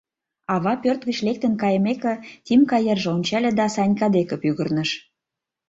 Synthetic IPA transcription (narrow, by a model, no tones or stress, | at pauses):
ɑβɑpørt̪̚ɣə̆t͡ɕlek̚t̪ənkɑjəmekĕt̪ʲimkɑjerʒeonʲt͡ɕælʲĕd̪ɑsɑnʲkɑd̪ekə̆pyɣə̆rnə̆ʃ